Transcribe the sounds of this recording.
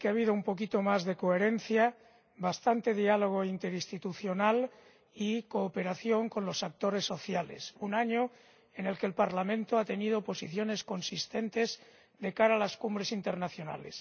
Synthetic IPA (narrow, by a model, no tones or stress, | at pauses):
keaβ̞iðoumpo̞kit̪o̞mazðe̞ko̞eɾe̞n̟θja | βast̪ant̪e̞ðialo̞ɣ̞o̞int̪e̞ɾist̪it̪uθjo̞nal | iko̞ːpe̞ɾaθjo̞ŋko̞nlo̞sak̚t̪o̞ɾe̞sːo̞θjale̞̰sunaɲo | e̞ne̞lkelpaɾlamẽnt̪oat̪e̞nið̞opo̞siθjo̞ne̞sko̞nsist̪e̞nt̪e̞z | ðe̞kaɾalaskumbɾe̞sint̪e̞ɾnaθjo̞na̰le̞̰s